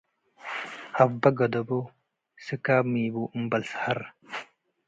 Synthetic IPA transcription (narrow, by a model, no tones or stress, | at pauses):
hɐbɐɡɐd̪ɐbo | sɨkaːmiːbuːʔmbɐlshɐɾ